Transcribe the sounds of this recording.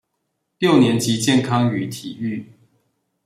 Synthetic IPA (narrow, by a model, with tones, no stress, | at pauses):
ljo˥˨ʊnjɛ˨˦nt͡ɕi˨˦t͡ɕjɛ˥˨nkʰɑ˦ŋy˨˥t̪ʰi˨˩y˥˨